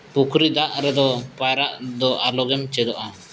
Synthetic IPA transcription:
pukɾid̪aʔɾɛd̪ɔpajɾaʔd̪ɔʔalɔɡɛmt͡ʃɛd̪ɔʔa

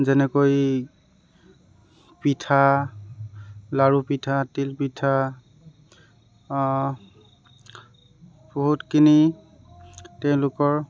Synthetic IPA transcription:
zɛnɛkoj | pitʰa | laɹupitʰatilpitʰa | boɦutkʰini | tɛʊ̃lʊkɔɹ

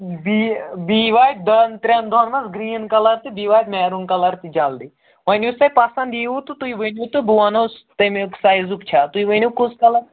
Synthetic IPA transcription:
bibiʋaːjt̪̚d̪ɐnt̪ɾʲend̪ʱɔnmɐsɡɾiːnkɐlɐɾt̪ɨbiːʋaːjt̪mɛːɾunkɐlɐɾt̪id͡ʒald̪i | ʋɐnʲusɐpasɐ̃nd̪jiut̪ɨt̪uiʋənut̪ɨbuanost̪ɐmeksaːjzukt͡ʃʰat̪uiʋənʲukuskɐlɐɾ

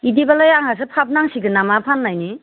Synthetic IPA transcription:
idibalajaŋhas̬ɯpʰap̚naŋsiɡɯnamapʰanːajni

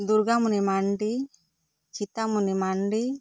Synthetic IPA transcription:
d̪uɾɡamunimaɳɖi | kʰit̪amunimaɳɖi

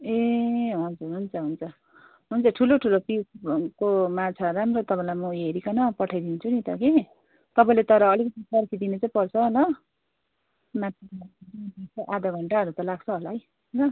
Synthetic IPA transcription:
eɦʌnd͡zuɦunt͡sʰʌɦunt͡sʰʌ | ɦunt͡sʰʌʈʰuloʈʰulopiwkomat͡sʰaɾamrot̪ʌpãĩlajmʌeɾikʌnʌpʌʈʰajd̪int͡sʰunit̪ʌke | t̪ʌpaĩlet̪ʌɾʌːlikʌt̪isʌrkʰid̪inet͡saĩpʌrt͡sʰʌɦolʌ | mat̪aaiit͡saʔad̪ʌɡʱʌɳʈaʌɾut̪ʌlaɡt͡sʰʌɦolaɦʌj | ɦlʌ

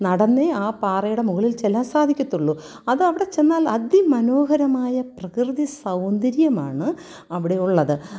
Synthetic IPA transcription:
nɐɽɐnːeaːpaːrɐjuɽe̞muɣɐɭilt͡ɕelːaːmsaːd̪ʱikʲːut̪ːuɭːu | ɐðɨɐʋiɽe̞t͡ɕe̞nːaːlɐd̪jimɐno̞ːɦɐɾɐmaːjɐprɐkrɨðisɐwnd̪ɐɾjɐma̰ːɳɨ | ɐʋiɽe̞uɭːɐðɨ

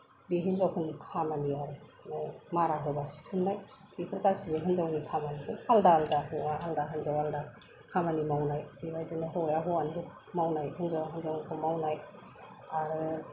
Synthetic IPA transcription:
biɦinzawkʰɯnikʰamaniaɾɯnamaɾaɦɯbasi̥tʰɯmnaj | b̥ipʰɯɾkasibɯɦɯnzawnikʰamanizɯaldaaldaɦɯaɦaldaɦɯnzawalda | kʰamanimawnajbibajzinaɦɔjaɦɔankʰɯkʰ | mawnajhɯnzawaɦɯnzawnikʰɯmawnaj | aɾɯ

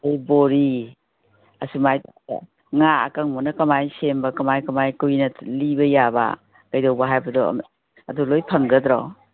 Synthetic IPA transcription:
ɐjboɾi | ɐsumajtaɐ̰ | ŋaɐ̰kɐŋmɔnɐkɐmajsembɐkɐmajkɐmajkujnɐlibɐjaba̰ | kɐjdawbɐɦajbɐdɔ̰m | ɐdulojpʰɐŋɡɐdɾɔ̰

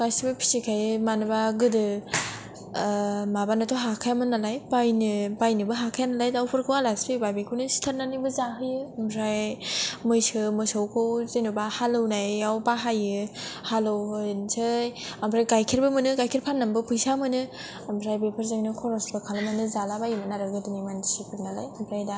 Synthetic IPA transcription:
kajsibɯpʰi̥sikʰajɯmanɯbaɡɯdɯ | mabanatʰoɦakʰajamɯnalajpajnɯbajnɯbɯɦakʰajanalajdawpʰɯɾkʰɯwalaspibabikʰɯwnɯsi̥tʰaɾnanibɯzaɦɯjɯamɾajmɯjsɯmɯsowkʰɯwzenubahalɯwnajawbaɦajɯhalɯwnsʰɯjampʰɾajkajkʰiɾbɯmɯnɯkajkʰiɾpʰanːambɯpʰujsamɯnɯ | amʰɾajbepʰəɾzaŋnɯkʰɔɾɔsbɯkʰalamanɯzalabajɯmɯnaɾɯɡɯdɯnimandisipʰɯɾnala̰jampʰɾajda

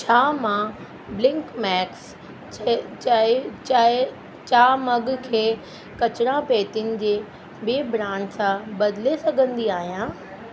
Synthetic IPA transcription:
t͡ɕʰaːmã | blɪ̃ŋkmɛːks | t͡ɕa | t͡ɕaːmɐɠkʰeː | kɐt͡ɕɾãpeːt̪ijʊnɪ̆d͡ʑeː | beːbɾãːnsãbɐd̪ɪlesɐɡʱə̃nd̪iaːɦijãː

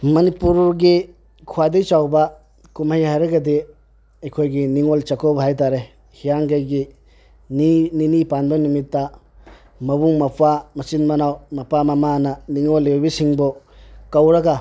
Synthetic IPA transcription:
mɐnipuɾɡi | kʰuwadejt͡ʃawbɐ | kumajhajɾɐɡɐdi | ɐjkʰojɡiniŋolt͡ʃɐkɔbɐɦajt̬aɾe | hijaŋɡajɡi | nininipandɔnimitːa | mɐbuŋmɐpʰamɐsinmɐnawmɐpamɐmanɐniŋɔlːebisiŋbɔkawɾɐɡa

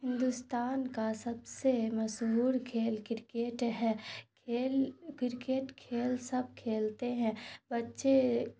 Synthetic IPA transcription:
ɦɪ̃nd̪ust̪aːnkasɐbsemɐʃɦuːɾkʰeːlkɪɾkeːʈɦɛ̃ | eːlkɪɾkeːʈkʰeːlsɐb̚ʱkʰeːlt̪eɦɛ̃bɐtːʃe

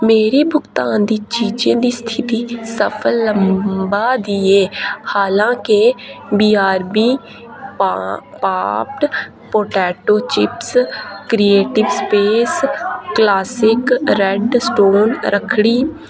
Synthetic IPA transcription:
meːɾibʱʊkt̪ãːnd̪it͡ʃiːd͡ʒẽd̪ist̪ʰɪt̪isəpʰəlːə̃mbad̪ieːhaːlãːkebiːaːɾbi | pap̚ʈ | poːʈɛːʈoːt͡ʃɪpskɾieːʈɪʋspeːsklaːsɪkɾeɖsʈoːnɾʔəkʰɽiː

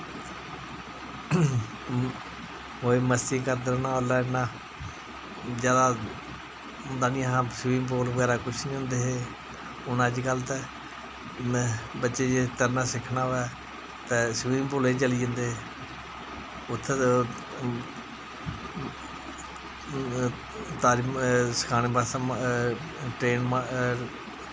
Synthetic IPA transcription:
oːeməst̪ĩkəɾd̪əɾnaːolaːnãː | d͡ʒjaːd̪aː | ɦʊnd̪aːnĩːəãːsʋĩːmpoːləɡɛːɾaːkʊt͡ʃʰnĩːɦʊ̃nd̪eːɦeː | ʊnãːd͡ʒɡəlt̪ɛ | bətːʃeːd͡ʒet̪əɾnaːsɪkʰnaːɦoɛː | t̪ɛːsʋiːmpoːlẽːt͡ʃəliːd͡ʒə̃nd̪eː | ʊt̪ʰːe | t̪aːɾimsə̥kʰaːneːbasa | ʈɾeːnma

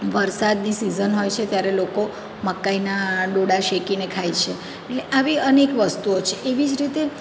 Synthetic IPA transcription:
ʋəɾsad̪nisizənɦojt͡ʃʰet̪jaɾeloko | məkːainaɖoɽaʃekinekʰajt͡ʃʰe | eʈleʔaʋiənekʋəst̪uot͡ʃʰeʔeʋid͡ʒɾit̪e

